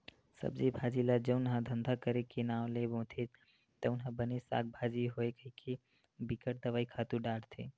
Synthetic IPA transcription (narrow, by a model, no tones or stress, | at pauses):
sə̰bd͡ʒibʱad͡ʒilad͡ʒəʊnɦãd̪ʱənd̪ʱakəɾekenaːʋlebõːt̪ʰet̪ | t̪ənɦãbənesa̰k̚bʱad͡ʒiɦoekəikʰe | bikəʈ̚d̪əʋaːikʰat̪uɖaɽt̪ʰe